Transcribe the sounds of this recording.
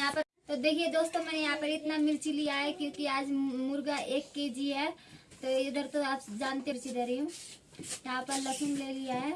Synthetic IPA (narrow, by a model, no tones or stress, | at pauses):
jɦãpəɾ | t̪od̪eːkʰied̪oːst̪omɛjɐɦãpəɾɪt̪namɪlt͡ʃiliaɦekjõkiaːd͡ʒmuɾɡaʔeːkːed͡ʒiɛt̪oɪd̪əɾt̪oaːpd͡ʒaːnt̪eɾt͡ʃiɾeɾiɦũ | jɐɦãpəɾləkʰunleliaɦe